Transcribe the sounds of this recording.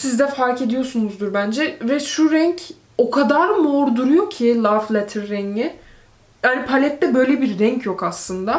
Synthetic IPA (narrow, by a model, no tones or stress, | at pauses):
sizd̪ɛfaɾke̞d̪ijo̞sunuzd̪uɾbænd͡ʒɛvɛʃuɾɛɲcʰ | o̞kʰad̪aɾmoɾd̪uɾujo̞cʰilˠaflʲˠɛt̪ʰiɾːɛɲɪ | hanipʰalʲɛt̪ːɛbø̞jlʲebiɾːɛɲcʰjo̞kaslˠɯnd̪a